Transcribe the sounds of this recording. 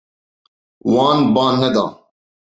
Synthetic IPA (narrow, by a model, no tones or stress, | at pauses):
waːnbaːnːɐd̪ɑ̰ː